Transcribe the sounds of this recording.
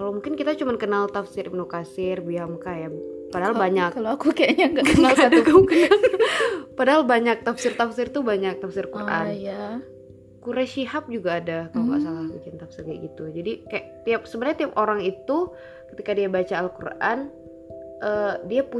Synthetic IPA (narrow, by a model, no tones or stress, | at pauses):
kalomuŋkɪnkit̪at͡ʃumankənalt̪afsɪɾʔimnokasɪrbiamkajapadaɦalbaɲakaloakukajaɲaŋɡaəadkakənal | padaɦalbaɲak̚t̪afsɪrt̪afsɪrt̪ubaɲak̚t̪afsɪrkurʔa̰nja | kuɾɛʃiɦap̚d͡ʒuɡaːdakakua̰salahbikɪnt̪afsɪrɲaɡit̪ud͡ʒadikajaʔt̪iap̚səbənarɲat̪iapoɾaŋit̪u | kət̪ikadiabat͡ʃaːlkṵra̰n | ʔədiapu